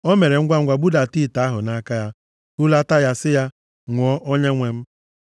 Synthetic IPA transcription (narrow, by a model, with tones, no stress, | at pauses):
o˦me˨ɾe˨ŋ̩˦ɡʷa˦ŋ̩˦ɡʷa˨bu˦da˨ti˦˨ta˨˦ɦʊ˨na˦ka˦ja˦ | u˦la˦ta˦ja˦sɪ˦ja˦ | ŋʷʊ˨ɔ˦ʔo˦ɲe˦ŋʷe˦m̩˦